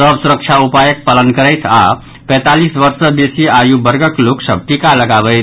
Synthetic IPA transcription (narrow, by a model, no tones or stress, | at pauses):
səbsuɾək̚t͡ʃʰaupajək̚palənkəɾəjt̪ʰa̰ | pə̃jt̪alisbʌɾsəbesiajubəɾɡəkloksəb̚ʈikaləɡabəɪt̪ʰ